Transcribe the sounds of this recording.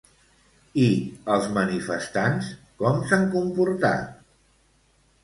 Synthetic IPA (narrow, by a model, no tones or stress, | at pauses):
iəlˠzmənifəst̪ans | kɔmsaŋkumpuɾt̪a̰t̪